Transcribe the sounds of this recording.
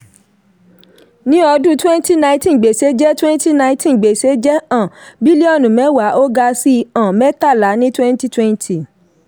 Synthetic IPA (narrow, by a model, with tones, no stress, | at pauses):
nĩ˦ɔ˧dũ˦twɛ̃˦n˦ti˦˨nã˧ĩ˦tĩ˦˨ɡ͡be˨se˨˦d͡ʒɛ˦twɛ̃˦n˦ti˦nã˧ĩ˦tĩ˦˨ɡ͡be˨se˨˦d͡ʒɛ˦ã˦˨bi˦li˦ɔ˦˨nũ˨mɛ̃˨˦wa˨˦ʔo˦ɡa˧si˦ã˨mɛ̃˦ta˦˨la˨˦nĩ˦twɛ̃˦n˦ti˦twɛ̃˦n˦tʰi˨